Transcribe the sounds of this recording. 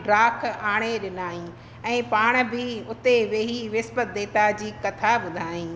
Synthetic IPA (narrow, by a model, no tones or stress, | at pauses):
ɾaːkʰaːɽ̃eɗɪnaːĩ | ɛ̃ːpaːɽ̃bɪʊt̪eʋeːɦiʋɪspət̪̚d̪eːt̪ad͡ʑiːkɐt̪ʰaɓʊd̪ʱaːĩː